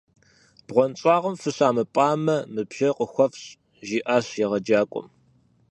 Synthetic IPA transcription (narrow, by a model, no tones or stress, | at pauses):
b̥ʁʷɔnt͡sʼaːʁəmfɨɕaːmɨpʼaːmɐmɨbʒɐqəxʷɔfɕ | ʒiːʔaːɕjɛʁɐd͡ʒaːkʷʼɔ̰m